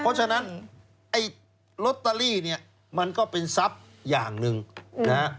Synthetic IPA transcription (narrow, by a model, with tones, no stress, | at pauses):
pʰɔ˦˥t͡ɕʰa˧na˦˥n | ʔa˥˩j | lo˦˥t̪ːa˧liː˥˩ni˥˩ɐ | ma˧nkɔː˥˩pe˧nsa˦˥p̚ | jaː˨˩ŋnɯ˨˧ŋna˦a˦˥